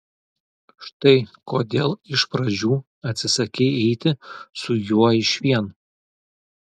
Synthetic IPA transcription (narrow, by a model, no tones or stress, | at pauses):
ʃt̪ɐɪkoːd̪ʲeːlˠɪʃpɾɐd͡ʒʲuː | ɐt̪ʲsʲɪsɐkʲɛɪɛɪt̪ʲɪsʊjuɔɪʃʋʲiɛn